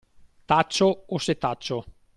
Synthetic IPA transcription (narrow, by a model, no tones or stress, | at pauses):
t̪at͡ʃːooset̪at͡ʃːo